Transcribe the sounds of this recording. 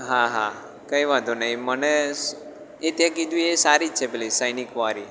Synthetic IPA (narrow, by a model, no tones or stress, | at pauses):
ɦãɦã | kəiʋad̪onaĩməne | et̪jãkid̪ũesaɾit͡ʃʰepelisəjnikʋaɾi